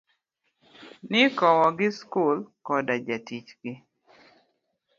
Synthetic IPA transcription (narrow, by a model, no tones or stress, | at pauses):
nɪkɔwɔɡɪskulkɔdad͡ʒatit͡ʃɡ̥ɪ